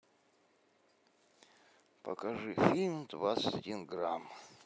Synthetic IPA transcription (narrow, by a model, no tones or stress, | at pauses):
pə̰kɐʐɨfʲilʲmd̪vat̪sə̥tʲɐdʲinɡɾam